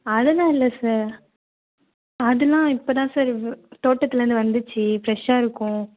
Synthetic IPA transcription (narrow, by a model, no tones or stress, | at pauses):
ɐðɐlãːɪlːɐsaːɾ | ɐðɯlãːɪpːoːt̪ãːsaːɾt̪oːʈːɐt̪ːɪlɐɾɯnd̪ɯʋɐnd̪ɯt͡ʃːɯfɾɛʂaːɪɾɯkːʊ̃